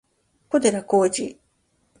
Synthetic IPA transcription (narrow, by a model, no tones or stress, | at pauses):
kod̪eɾakoːd͡ʑi